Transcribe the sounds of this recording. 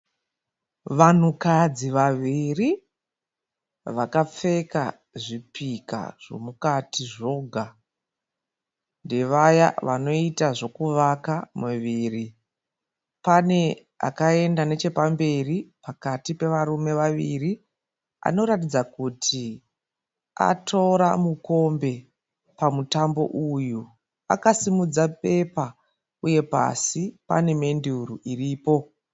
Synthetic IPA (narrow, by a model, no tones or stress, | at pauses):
ʋan̤ukad͡ziʋaʋiri | ʋakap͡fe̞ka̰ | ʐipika̰ʐ̥o̞̰mukatiʐo̞ɡʱa | nde̞ʋaja̰ʋano̞itaʐo̞kuʋakamuʋiːri | pane̞ | a̰kae̞ndane̞t͡ʃe̞pambe̞ripakatipe̞ʋaɾume̞ʋaʋiri | a̰no̞ɾatid͡zakutʰi | a̰tʰo̞ɾamuko̞mbe̞ | pamutambo̞̰ʔuju | a̰kasimud͡zap̚e̞pa | uje̞pa̰sipa̰ne̞me̞ndiuɾuʔiriːpo̞